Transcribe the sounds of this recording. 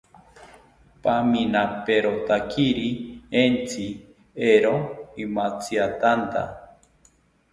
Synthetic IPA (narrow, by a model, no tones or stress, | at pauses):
paminapeɾot̪akʰiɾient͡sʰi | eɾoimat͡siat̪ant̪a̰